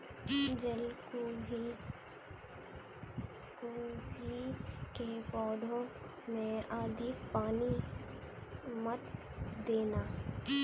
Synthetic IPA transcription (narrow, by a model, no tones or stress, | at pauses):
d͡ʒəlkobi | kobʱikepɔːɖʱõ | mẽaːd̪ʱɪk̚paːni | mət̪ | d̪eːnaː